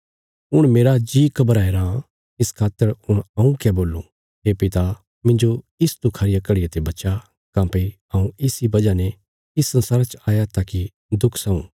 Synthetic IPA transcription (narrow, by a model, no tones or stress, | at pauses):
ʊɽ̃meːɾad͡ʒiːkʰɐbəɾaɦeːɾa | ɪskʰaːt̪əɾʊɽ̃ɐ̃ũkɛboːlːũ | ɦeːpɪt̪a | mɪ̃nd͡ʒo | ɪst̪ukʰaːɾɪjakɐɽɪjat̪ebɐt͡ʃa | kãːpe | ɐũɪsibɐd͡ʒanɛ | ɪsɐ̃nsaːɾat͡ʃaːjat̪aki | d̪ʊkʰsɐ̃ṵ̃ː